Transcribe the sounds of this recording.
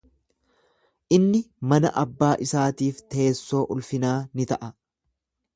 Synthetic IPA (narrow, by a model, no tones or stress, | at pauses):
ʔɪnːɪmɐnɐ̰ʔɐbːaːʔɪsaːt̪iːft̪eːsːo̞ːʔʊlfɪnaːnɪt̪ɐʔɐ